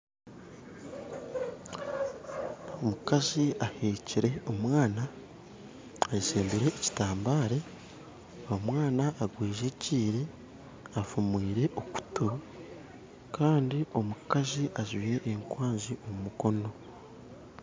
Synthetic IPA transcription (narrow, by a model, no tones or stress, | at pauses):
omukaziʔaheːciɾe̞omwaːna | ɟiseːmbuɾe̞ːci̥taːmbaːɾe | omwaːnaʔːɡwiːʒe̞ciːɾe̞ | afumwiːɾe̞ʔoku̥tu | kʰaːndiʔo̞mukaziʔaʒwijeʔːŋkwaːɲziomumuko̞no̞